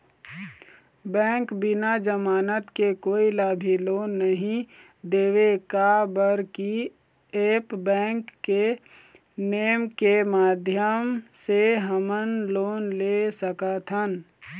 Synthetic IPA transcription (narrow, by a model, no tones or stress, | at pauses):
bɛ̃ːŋkbɪnad͡ʒəmaːnət̪kekoːilaːbʱiloːnːəɦĩ | d̪eːwekabəɾki | epbɛ̃ːŋkːe | neːmkemaːd̪ʱjəmseɦəmənloːnlesəkət̪ʰɦən